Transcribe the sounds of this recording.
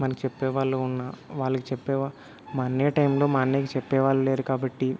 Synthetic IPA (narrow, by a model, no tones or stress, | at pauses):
mɐnɐkit͡ʃɛpːɛːʋaːɭːuunːaːʋaːɭːɐkit͡ʃɛpːɛːʋaː | maːnːeːʈɐjmlo̞ːmaːnːeːkit͡ʃɛpːɛːʋaːluleːɾukaːbɐʈːi